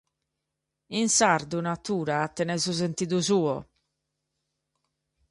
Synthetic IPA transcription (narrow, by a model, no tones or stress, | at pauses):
insaɾd̪unat̪uːɾaːt̪ːɛnɛzuz̬ent̪id̪uzuːɔ